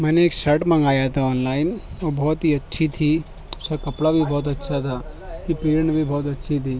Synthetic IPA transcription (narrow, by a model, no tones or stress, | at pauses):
mɛːneeːkʃɐɾʈmɐ̃ŋɡaːjat̪ʰaɔːnlaːɪnobɔːt̪ɦiɐtːʃʰit̪ʰiː | sakɐpɽabʱibʱɔːt̪̬ɐtːʃʰat̪ʰa | kipɾeːɾɳbʱibʱɔːt̪̬ɐtːʃʰit̪ʰiː